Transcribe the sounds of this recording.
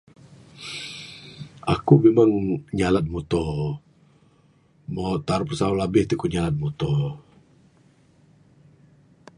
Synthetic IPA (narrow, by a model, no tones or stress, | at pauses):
akumemaŋɲalat̪̚mɔt̪ɔ | maʔt̪aɾpəsaolabɪht̪ikuɲalat̪̚mut̪ɔ